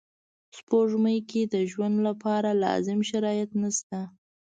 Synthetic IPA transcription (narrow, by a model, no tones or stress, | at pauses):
spoʐməjkʰed̪əʒwand̪lapɑɾalɑ̰zɪmʃaɾɑjat̪nast̪a